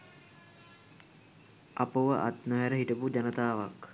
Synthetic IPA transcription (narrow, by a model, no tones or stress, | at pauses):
apəʋəʔa̰t̪noɦæɾəɦiʈəpud͡ʒanət̪aːʋak